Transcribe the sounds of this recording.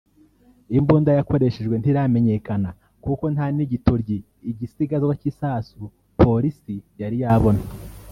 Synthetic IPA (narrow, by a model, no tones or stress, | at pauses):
imbuːndajako̞ɾe̞ʃeʒɡwe̞ntiɾame̞ɲe̞kana | kuko̞nhaːniɟituɾɟiː | ɟisiɡazwacisaːsu | pʰo̞ɾisijaɾijaβo̞na